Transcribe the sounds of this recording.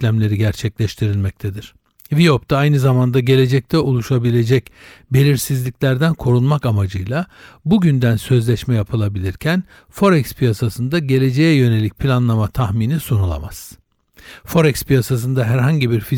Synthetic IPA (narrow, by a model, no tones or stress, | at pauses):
lʲæmlʲe̞ɾiɟæɾt͡ʃʰɛclʲɛʃt̪ʰiɾilʲmɛc̚t̪ʰed̪iɾ̥ | vijo̞pt̪ʰaajnɯzamand̪aɟe̞lʲe̞d͡ʒɛc̚t̪ʰɛolˠuʃabilʲe̞d͡ʒɛc | be̞lʲiɾsizlʲicʲlʲæɾd̪ænkʰo̞ɾunˠmakamad͡ʒɯjlˠabuɟynd̪ænsø̞zlʲɛʃmɛjapʰɯlˠabilʲiɾcʰæn | fo̞ɾɛkspʰijasasɯnd̪aɟe̞lʲe̞d͡ʒe̞jɛjø̞ne̞lʲic̚pʰilʲanlˠamat̪ʰahminisunulˠa̰ma̰z̥ | fo̞ɾɛkspijasas̬ɯnd̪aɦæɾɦaɲɟibiɾfi